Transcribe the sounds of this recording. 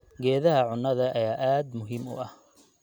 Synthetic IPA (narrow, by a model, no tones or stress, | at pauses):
ɡɛːðɐɦɐʕʊnːɐðɐʔɐjaːʔaːd̪mʊɦiːmʊ̰ʔɐh